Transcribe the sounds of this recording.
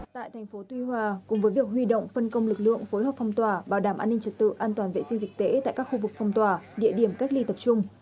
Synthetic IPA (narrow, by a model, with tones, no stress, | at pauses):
t̪a̰ː˧˨jt̪ʰɛ˨˩jŋ̟fo˨˦t̪wi˧hwaː˧˩kʊ̰˧˥ŋ͡mvəː˨˦jvi˨˩ək̚ɦwi˧ɗo̰˧˨wŋ͡mfə˧nkə˧wŋ͡mlɨ˨˩k̚lɨ̰˧˨əŋfo˨˦jhəː˨˩pfa˧wŋ͡mt̪waː˨˩ɓaː˨˩wɗaː˧˩mʔaː˧nːï˧ŋ̟t͡ɕə˨˩t̚t̪ɨ̰˧˨ʔaː˧nt̪waː˨˩vḛ˧˨si˧ŋ̟zï˨˩k̚t̪e˧˨˦t̪a̰ː˧˨jkaː˦˥kxu˧vɨ˨˩k̚fa˧wŋ͡mt̪waː˨˩ɗḭ˧˨əɗi˧˩əmka˦˥k̚li˧t̪ə˨˩p̚t͡ɕʊ˧ŋ͡m